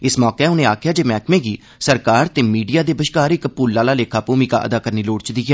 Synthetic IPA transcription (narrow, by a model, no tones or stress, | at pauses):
ɪsmɔːkeːʊnẽːaːkʰjaːd͡ʒeːmɛːkmẽːɡiː | səɾkaːɾt̪eːmiːɖijaːd̪eːbəʃkaːɾɪkpuːlːaːlaːleːkʰaːpuːmiːka̰ːʔə̰d̪aːkəɾniːloːɽt͡ʃd̪iːɦɛː